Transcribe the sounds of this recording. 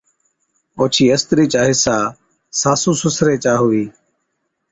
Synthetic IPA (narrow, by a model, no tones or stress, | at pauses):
oːt͡ʃʰiːəst̪ɾiːt͡ʃaːɦiːsaː | saːsũːsʊsɾeːt͡ʃaːɦʊʋiː